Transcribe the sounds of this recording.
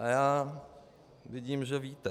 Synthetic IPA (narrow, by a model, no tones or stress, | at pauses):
ʔajaː | vɪɟiːmʒɛviːt̪ɛ